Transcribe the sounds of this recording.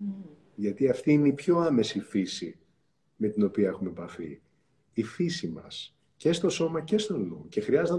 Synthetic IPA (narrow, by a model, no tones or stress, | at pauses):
ʝɐt̪iɐft̪iineipço̞ɐme̞sifisi | me̞t̪ino̞piɐe̞xume̞pɐfḭ | ifisimɐ̰s | ce̞st̪o̞so̞mɐce̞st̪o̞noce̞xɾiɐzet̪